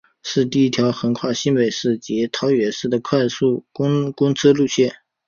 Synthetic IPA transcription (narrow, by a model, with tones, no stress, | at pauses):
ʂɻ̩˥˧t̪i˥˩i˥t̪ʰjɑ˧˥ʊxə˧˥nkʰwa˥˩ɕi˥npe˨˩ɪʂɻ̩˥˩t͡ɕjɛ˧˥t̪ʰɑ˧˥ʊɥɛ˧˥ʂɻ̩˥˩d̪ə˩kʰwa˥˧ɪsu˥˩kʊ˥ŋkʊ˥ŋt͡s̩ʰ˥lu˥˧ɕjɛ˥˩n